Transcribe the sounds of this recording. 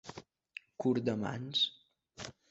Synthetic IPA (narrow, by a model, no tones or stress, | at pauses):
kuɾd̪əma̰ns